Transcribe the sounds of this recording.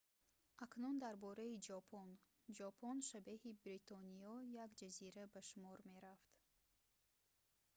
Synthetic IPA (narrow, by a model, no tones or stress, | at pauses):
aknund̪aɾbɔɾaid͡ʒɔpʰɔn | d͡ʒɔpʰɔnʃabehibɾit̪ʰɔniɔjaɡd͡ʒaziɾabaʃumɔɾme̞ɾaft̪